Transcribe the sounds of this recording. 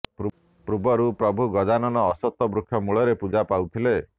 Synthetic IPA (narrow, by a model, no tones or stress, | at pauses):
p | pɾubɔɾupɾɔbʱuɡɔd͡ʒanɔnɔːsɔt̪ːɔbɾukʰjɔmuɭɔɾepud͡ʒapawt̪ʰile